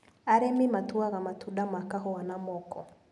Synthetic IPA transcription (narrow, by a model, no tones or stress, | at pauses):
aɾemimatuaɣamatudamakaɦɔanamɔkɔ